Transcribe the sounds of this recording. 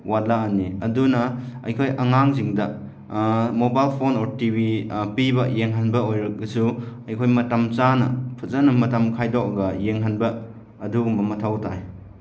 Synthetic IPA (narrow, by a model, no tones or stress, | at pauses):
walaːnːiɐdunɐɐjkʰojʔɐŋaŋziŋdɐ | mobajlpʰonoɾtibipibɐjeŋɦanbɐojɾɐɡɐsuɐjkʰojmɐtɐmt͡ʃanɐ̰pʰɐzɐnɐmɐtɐmkʰajdɔk̚ɐɡɐjeŋɦanbɐː | duɡumbɐmɐtʰawtʰaj